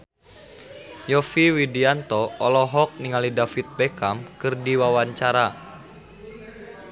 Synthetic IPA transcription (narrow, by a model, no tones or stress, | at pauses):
jɔfiwidiant̪ɔːlɔɦɔk̚niŋalidafit̪̚bekamkɨrdiwawaɲt͡ʃaɾa